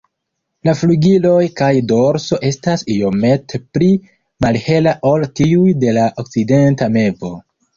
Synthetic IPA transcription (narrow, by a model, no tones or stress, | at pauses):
lafluɡilo̞jkajdo̞ɾso̞ʔe̞stasio̞me̞tpli | malhe̞laʔo̞ltiujde̞laʔok̚t͡side̞ntame̞vo̞